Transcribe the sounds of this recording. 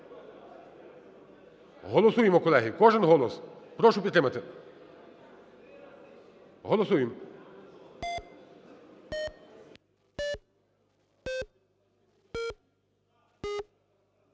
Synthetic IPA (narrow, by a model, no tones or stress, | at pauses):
ɦɔlˠɔsujɪmɔkɔlˠɛɦikɔʒɪnɦɔlˠɔspɾɔʃʊpʲid̪t̪ɾɪmɐt̪ɪ | ɦɔlˠɔsujɪm